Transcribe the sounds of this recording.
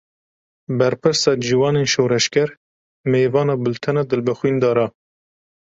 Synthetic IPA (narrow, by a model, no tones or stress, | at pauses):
bɛɾpɨɾsɑːd͡ʒiwɑːneːnʃoːɾɛʃkʲɛɾ | meːvɑːnɑːbɨlt̪ʰɨnɑːd̪ɨlbɛxwiːnd̪ɑːɾɑː